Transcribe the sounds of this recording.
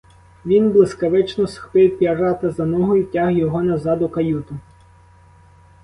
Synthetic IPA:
ʋʲinblˠɪskɐʋɪt͡ʃnɔsxpɪwpʲjɐrɑt̪ɐzɐnɔɦɔjʊtʲahjɔɦɔnɐzɑd̪ʊkɐjut̪ʊ

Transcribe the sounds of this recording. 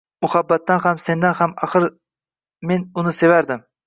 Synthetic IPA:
mʊhabːat̪ːanhamse̞nd̪anhamaχɨɾ | me̞nʊnɪse̞vaɾd̪ɪm

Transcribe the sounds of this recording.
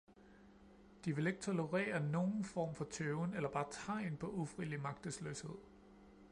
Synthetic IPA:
d̥iʋe̝le̝ɡ̥ət͡sʰo̝ləʁɛ̰ːɐno̝ːn̩fɒ̰ːmfɒ̽t͡sʰøʊnelɐb̥ɑ̈ːt͡sʰɑ̰̈e̝npʰɒ̽ʔufʁilimɑ̈ɡ̥̚d̥əslø̰ːshe̝ð̰ˠ

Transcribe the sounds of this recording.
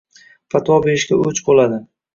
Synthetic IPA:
fat̪ʰwɒbeɾɪʃkʲaʔɵt͡ʃbolad̪ɪ

